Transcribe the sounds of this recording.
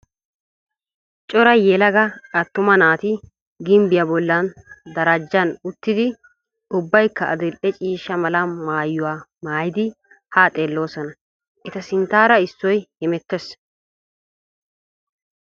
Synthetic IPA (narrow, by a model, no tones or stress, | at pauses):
t͡ʃʼɔɾɐjɛlɐɡɐɐt̪ːʊmɐnaːt̪ɪ | ɡɪmbɪjɐbɔlːɐnd̪ɐɾɐd͡ʒːɐnʊt̪ːɪd̪ɪ | ʊbːɐjkːɐɐ̰d̪ɪlʔɛt͡ʃʼiːʃːɐmɐlɐmaːjːʊwaːmaːjɪd̪ɪ | haːt̪ʼeːlːo̞ːsɐnɐ | ʔɛt̪ɐsɪnt̪aːɾɐɪsːɔjhɛmɛt̪ːɛs